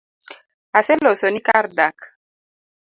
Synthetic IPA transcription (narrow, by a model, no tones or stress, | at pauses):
asɛlɔsɔnikaɾdak